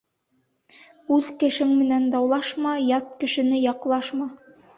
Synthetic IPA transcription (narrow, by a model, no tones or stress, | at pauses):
ʉðkɘ̆ʃɘŋmɘ̆nænd̪ɑwlˠɑʃmɑjɑt̪̚kɘ̆ʃɘ̆nɘjɑqlˠɑʃmɑ